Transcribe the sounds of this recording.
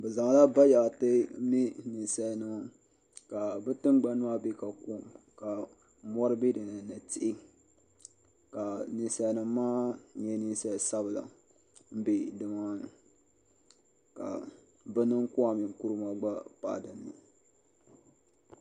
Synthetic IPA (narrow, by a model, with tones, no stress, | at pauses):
bɛ˨za˨ŋ˨la˦ba˦ja˨tɨ˦mi˦ni˨n˨sɛ˦lnɨ˦ma˦ | ka˨bɨ˦tɨ˦m˦ɡ͡ba˨nɨ˦ma˦be˦ka˨ku˦˨ | ka˨ | mɔ˦ɾɨ˦bi˦dɨ˨na˨na˨tɪ˦ʔɪ˦ | ka˨nɨ˨n˦sɛ˦˨˦nɨ˦mː˦aː˦ɲɛ˦ni˦n˦sɛ˦˨sa˦bɨ˨la̰˨ | m̩˦be˨dɨ˨ma˦˨ | ka̰˨ | bɨ˦nɨ˦ŋkʊ˦a˨mi˨ŋ˦ku˦ɾɨ˦ma˦ɡ͡ba˦pa̰˨dɨ˨nːɨ˨